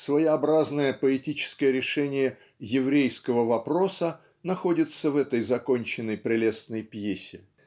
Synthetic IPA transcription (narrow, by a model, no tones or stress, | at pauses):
svəjɪɐbɾaznəjəpəɪtʲit͡ɕɪ̥skəjəɾʲɪʂɛnʲɪjə | jɪvɾʲejskəvəvɐpɾo̞sə | nɐxo̞dʲɪt̪səvɛt̪əjzɐkonʲt͡ɕɪnːəjpɾʲɪlʲe̞snəjpjesʲɪ